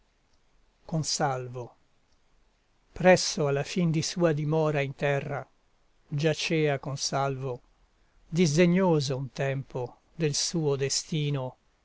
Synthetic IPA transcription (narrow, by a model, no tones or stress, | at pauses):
konsalvo | pɾɛsːoalːafind̪isuːad̪imɔːɾaint̪ɛrːa | d͡ʒat͡ʃɛːakonsalvo | d̪izd̪eɲːoːzount̪ɛmpo | d̪elsuːod̪est̪iːno